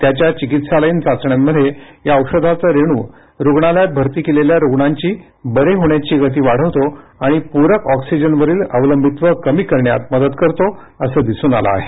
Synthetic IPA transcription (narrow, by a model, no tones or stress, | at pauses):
t̪jat͡ɕjat͡ɕikit̪saləiːnt͡sat͡sɳjamːəd̪ʱːjejaəwʂəd̪ʱat͡saɾeɽ̃uː | ɾoɡɳaljabʱəɾt̪iːkeleljaɾoɡɳaɲt͡ɕiː | bəɾeɦoɳjat͡ɕiːɡət̪̬iːʋaɽ̤əʋt̪oaɽ̃ipuɾəkɔksid͡ʑənʋəɾiːləʋələmbʱit̪ʋəkəmiːkəɾɳja̰t̪̚məd̪ət̪kəɾt̪o | əsəːd̪isuːna̰la̰ːɦe